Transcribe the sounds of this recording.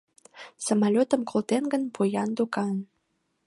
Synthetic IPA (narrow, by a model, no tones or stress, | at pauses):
səmalʲot̪ə̆mkolˠt̪enɡə̆npujɑnd̪ukɑn